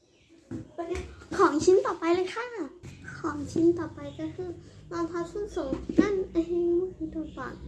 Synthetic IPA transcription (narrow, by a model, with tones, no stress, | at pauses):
kʰɔː˨˩˦ŋt͡ɕʰi˧˥nt̪ɔː˨˩pa˧jlɤː˧˥jkʰa˧˥˩kʰɔː˨˩˦ŋt͡ɕʰi˧˥nt̪ɔː˨˩pa˧jkaː˧˩kʰɯː˧˩lɔː˧˩nt̪ʰa˧˥sʰu˧˥˨nso˨˩˦ŋka˧˥˨nʔa˧˩hi˧˥˧mu˧˥˨hi˧˦t̪uː˧˩pa̰ː˨˩k